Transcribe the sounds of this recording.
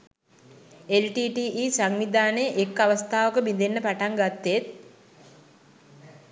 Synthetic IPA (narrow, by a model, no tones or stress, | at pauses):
elʈiːʈiːʔiːsaŋnid̪aːnəʔekːaʋəst̪ʰaːʋəkəbind̪enːəpaʈaŋɡat̪ːet̪̚